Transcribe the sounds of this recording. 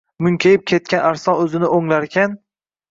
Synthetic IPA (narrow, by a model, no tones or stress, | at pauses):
mʊŋkʲʰajɪp̚kʲʰe̞t̪̚kʲanaɾsɒnɵzɪnɪʔoŋlaɾkʲʰan